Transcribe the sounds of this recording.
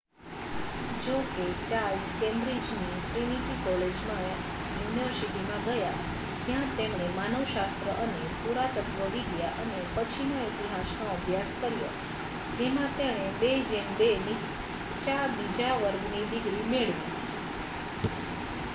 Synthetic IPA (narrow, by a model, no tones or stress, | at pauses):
d͡ʒoket͡ʃalskembɾid͡ʒniʈɾiñiʈikɔled͡ʒmã | juniʋəɾsiʈimãɡəja | d͡ʒjãt̪emɽ̃emanəʋʃast̪ɾəʔənepuɾat̪əkʋəʋiɡjaʔənepət͡ʃʰinoet̪iɦasnoəbʱjaskəɾjo̰ | d͡ʒemãt̪eɽ̃ebed͡ʒembeni | t͡ʃabid͡ʒaʋəɾɡnid̪iɡɾimeɭʋjũ